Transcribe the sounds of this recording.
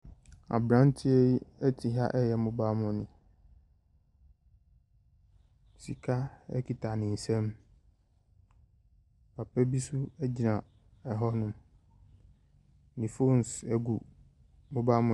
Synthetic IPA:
a̰˨bɾã˦n˦tʰɪ˦ɛ˦i˦ɛ˦tʰi˨ɦa̰˦ʔɛ˦jɛ˨mʊ̃˦baː˦mʊ̃˨nɪ̃˨ | si˨kʰa˦ɛ̰˦kʰi˨tʰa˨nɪ̃˨n̩˨sɛ̃˦m | pʰa˨pɛ˦bi˦su˦æ˦d͡ʑi˨nã˨ | ɛ˨ɦɔ˦nʊ̃˦m | nĩ˨fo˦n˨sɛ˦ɡu˨ | mʊ̃˦ba˦mʊ̃˦

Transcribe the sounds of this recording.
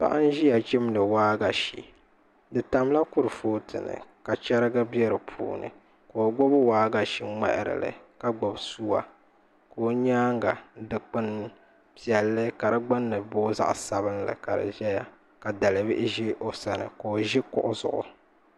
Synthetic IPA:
pa̰˦ʔa˦n˦ʒi˦ja˨t͡ʃi˦mlɨ˨waː˦ɡa˨ʃḭ˨ | dɨ˨ta˨m˦la˦kʊ˦ɾɨ˨foː˦tʰɨ̰˨nɨ̰˨ka˨t͡ʃɛ˦ɾɨ˦ɡa˦bɛ˦ɾɨ˨pʰṵː˨nɨ̰˨ | ko˨o˨ɡ͡bo˦bwaː˦ɡa˨ʃi˨ŋ͡mɛ̰˦ʔɪ˨ɾɨ̰˨lɨ̰˨ka˨ɡ͡bo˨bsu˦wa˦ | ko˨˦ɲaː˦ŋɡa˨dɨ˨k͡pɨ˦n | pi˦˨ɛ˨lːɨ˦ka˨ɾɨ˦ɡ͡bɨ˦nːɨ˨boː˦za̰˦ʔsa˦βɨ˦nlɨ̰˨ka˨ɾɨ̰˨ʒɛ˦ja˦ | ka˨da˨lɨ˨bɪ˦ʔɪ˦ʒi˦ʔo˦sa˨nɨ̰˨ko˨ʒɪ˦kʊ̰˦ʔʊ˦zʊ̰˨ʔʊ̰˨

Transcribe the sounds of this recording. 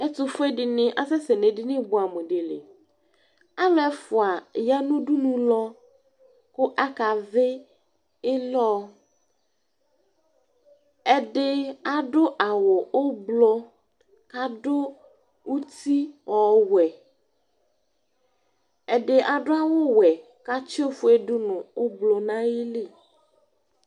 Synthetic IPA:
ɛ˦tʊ˨fʊ˦ɛ˦dɪ˨nɪ̃˦ʔa˦sɛ˦sɛ˨ne˨dɪ˦nɪ̃˦bʊ˨a˨me˨de˨lɪ̰˨ | a˦mɛ˨fʊ˨a˨ja˦nʊ̃˦dʊ˦nũ˦lɔ˦ | kʊ˦ʔa˦ka˨vɪ˦ | ɪ˦lɔ˦ | ɛ˨dɪ˨a˨ɖo˦ʔa˨wo˨o˦blo˦ | ka˦ɖo˦ | wu˦t̪i˦wɔ˨wɛ˨ | e˨ɖe˨ʔa˨ɖo˦a˦wo˦wɛ˨ | ka˦t͡ʃo˦fu˦e˦ɖu˦nũ˨o˦blo˨nã˦je˦le˦˨

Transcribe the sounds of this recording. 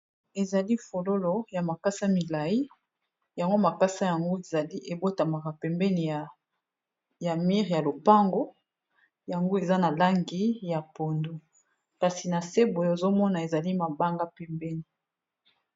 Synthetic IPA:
e˨za˨li˦fo˨lo˦lo˦ja˨ma˨ka˦sa˦mi˨la˨i˦ | ja˨ŋɡo˦ma˨ka˦sa˦ja˨ŋɡo˦e˨za˨li˦ʔe˨bo˦ta˨ma˨ka˨pɛ˨mbɛ˦ni˨ja˨ | ja˨mi˦ʁja˨lo˨pa˦ŋɡo˦ | ja˨ŋɡo˦e˨za˦na˨la˦ŋɡi˦ja˨po˨ndu˦ | ka˨si˨na˨se˦bo˨jo˦e˨zo˦mɔ˦na˨e˨za˨li˦ma˨ba˦ŋɡa˦pɛ˨mbɛ˦ni˨

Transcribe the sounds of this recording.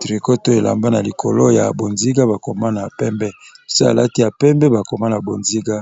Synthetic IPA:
tɾi˨ko˦to˦e˨la̰˨mba˦na˨li˨kʰo˨lo˦ja̰˨bo˨nzi˦ɡa˦ba˨ko˨ma˦na˨pɛ˦mbɛ˦˨so˦a̰˨la˦ti˦ja˨pɛ˦mbɛ˦ba˨ko˨ma˦na˨bo˨nzi˦ɡa˦

